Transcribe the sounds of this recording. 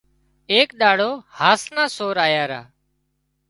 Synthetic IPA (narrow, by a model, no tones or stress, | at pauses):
eːkɗaːɽoːhaːsnãːsoːɾaːjaːɾa̰ː